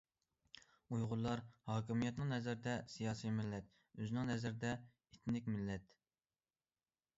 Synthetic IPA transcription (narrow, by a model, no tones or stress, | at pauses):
ujʁʊlˠːɑɾhɑːkʲimijɛt̪nɨŋnɛzɾɪd̪ɛsijɑːsijmɪlːɛt̪̚ | øzɪnɪŋnɛzɪɾd̪ɛ | et̪nɪkʲmɪlːɛt̪